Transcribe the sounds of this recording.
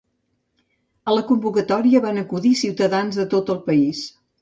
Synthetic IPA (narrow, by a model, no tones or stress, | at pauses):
ələkumbukət̪ɔɾiəβanəkuðisiwt̪əðanzðət̪ot̪əlˠpəis